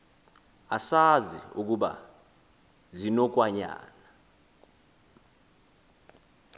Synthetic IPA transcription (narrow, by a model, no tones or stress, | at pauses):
asazḭuk̬uɓa̰ | zinɔk̬waɲa̰ːna